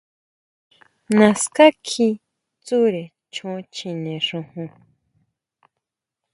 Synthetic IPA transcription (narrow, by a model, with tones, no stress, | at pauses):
nã˨ska˦kʰi˧ | t͡su˦ɾe˨ | t͡ʃʰũ˧˦t͡ʃʰĩ˨nẽ˨ʂũ˧hũ˧